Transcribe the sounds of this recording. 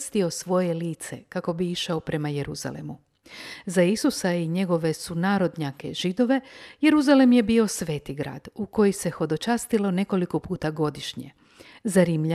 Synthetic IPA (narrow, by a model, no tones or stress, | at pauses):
st̪io̞sʋo̞je̞liːt̪se̞̰kako̞biiʃaopɾe̞maje̞ɾuz̥a̰lḛmu | zaisusaiɲe̞ɡo̞ʋe̞sunaːɾo̞d̪ɲake̞ʒid̪o̞ʋe̞je̞ɾuzalemje̞bio̞sʋe̞ːt̪iɡɾa̰ːd̪̥uko̞jise̞xo̞d̪o̞t͡ʃaːst̪ilo̞ne̞ko̞liko̞puːt̪aɡo̞d̪iʃɲḛ | zaɾimʎa